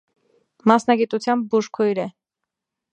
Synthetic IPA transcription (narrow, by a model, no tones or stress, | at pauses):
mɑsnɑɡit̪ut͡sʰjɑmb̚buʃkʰɔjɾɛ